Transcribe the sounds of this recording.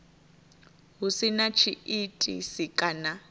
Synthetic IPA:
ɦusinat͡ʃʰiitʼḭsikʼana

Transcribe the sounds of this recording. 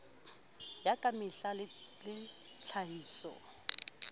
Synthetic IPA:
jakʼamɪɬalɪlɪ | t͡ɬʰaɦiːsɔ̰

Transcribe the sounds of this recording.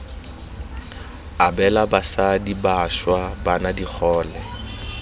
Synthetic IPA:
abɛlabasadibaʃwabanadik͡xʰɔːlɛ

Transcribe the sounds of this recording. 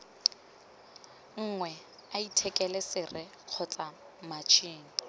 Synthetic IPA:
ŋ̩ŋwɛ | aitʰɛkʼɛlɛsɪrɪ | q͡χʰɔt͡sʼa | mat͡ʃʰiːŋ̩

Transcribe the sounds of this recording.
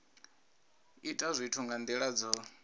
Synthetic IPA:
itʼazʷitʰuŋɡand̪iɺad͡zɔ

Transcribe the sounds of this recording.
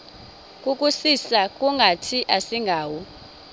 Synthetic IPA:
kʼukʼusisakʼuŋɡʱatʰiʔasiŋɡʱaːwɔ

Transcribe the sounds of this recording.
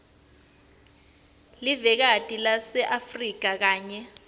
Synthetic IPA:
livɛk̬atʼilasɛʔafrik̬ak̬aːɲɛ

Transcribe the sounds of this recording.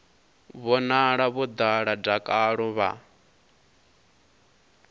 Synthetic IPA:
βɔnaɺaβud̪aɺab͡ʐakʼaɺɔβa̰

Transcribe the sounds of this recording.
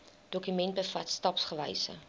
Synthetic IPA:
d̥okymɛnt̚bəfɐtstɑpsχəvɛ̰jsə̰

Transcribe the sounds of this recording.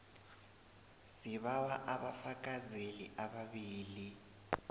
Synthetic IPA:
siβawaʔaɓafakʼazeliʔaɓaɓiːli

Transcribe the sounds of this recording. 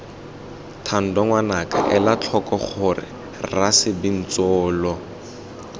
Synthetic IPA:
tʰan̩dɔŋwanaka̰ʔɛlat͡ɬʰɔkɔχʊrɪ̰ | rasɪbin̩t͡sɔːlɔ

